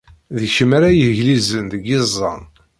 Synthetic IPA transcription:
ðiçəmaɾajəhʝlizənðəɡezˤːɑ̰n

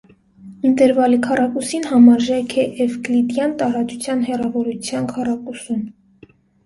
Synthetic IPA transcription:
int̪ɛɾvɑlikʰɑrɑkusinhɑmɑɾʒɑjkʰɛʔɛvklit̪jɑnt̪ɑɾɑt͡sut͡sʰjɑnɦɛrɑvɔɾut͡sʰjɑnkʰɑrɑkusun

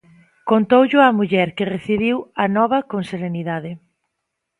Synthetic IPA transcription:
kont̪owʎʊɐmuʎɛɾkɪreθiβiwɐnɔβ̞ɐkonseɾeniðaðɪ

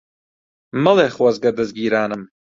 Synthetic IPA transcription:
mɐlˠeːχwɐzɡɐd̪ɨzɡiːɾaːnɨm

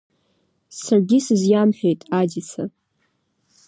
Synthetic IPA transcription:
sarɡʲisɨzjamħᶣe̞jtʼad͡ʒit͡sʰa

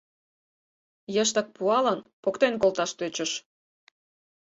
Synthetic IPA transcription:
jəʃ̬t̪ɑk̚puɑlɑnpokt̪enkolt̪ɑʃt̪øt͡ɕə̆ʃ

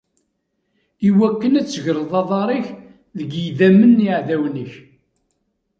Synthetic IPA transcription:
iwækːənæt͡sːʝɾˤðˤɑðˤɑɾˤiç | ðəɡiðæmːənːiʕðæwnəç

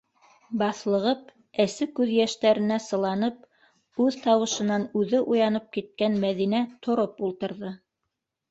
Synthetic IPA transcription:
bɑθlˠɤ̆ʁɤp̚ | ɘsɘkʉðjæʃt̪æɾɘ̆næsɤ̆lˠɑnɤp̚ | ʉðt̪ɑwɤ̆ʃɤ̆nɑnʉðɘʔujɑnɤp̚kit̪̚kænmæðinæt̪ʰŏɾopulˠt̪ɤ̆ɾðɤ

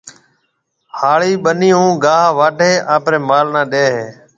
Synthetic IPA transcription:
haːɭiːɓəniːũːɡaːɦʋaːʈeːʔaːpɾeːmaːlnãːɗeːɦeː

